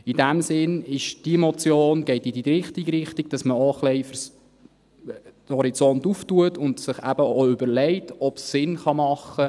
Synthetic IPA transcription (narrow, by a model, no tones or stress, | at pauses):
id̥æmsɪnɪʃd̥imɔt͡sjoːnɡ̥ɛɪtidiɾɪχtiɡɾɪχtiɡ̚d̥ɑsməoχlɛɪfəɾs | hɔɾit͡sɔntuftuətʊndsɪχæ̰b̥əoʏbəɾlɛɪtɔpsːɪnχɑmɑχːə